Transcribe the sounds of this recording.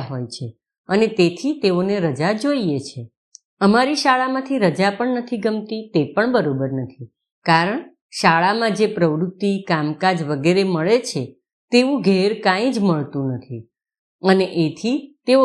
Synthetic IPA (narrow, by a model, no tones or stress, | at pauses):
ɦojt͡ʃʰe | ənet̪et̪ʰit̪eoneɾəd͡ʒad͡ʒoiet͡ʃʰe | əmaɾiʃaɭamãt̪ʰiɾəd͡ʒapəɳnət̪ʰiɡəmt̪it̪epəɳbəɾobəɾnət̪ʰi | kaɾəɳ | ʃaɭamãd͡ʒepɾəʋɾut̪ːikamkad͡ʒʋəɡeɾeməɭet͡ʃʰe | t̪eʋũɡʱɛɾkãĩd͡ʒməɭt̪ũnət̪ʰi | əneʔet̪ʰit̪eo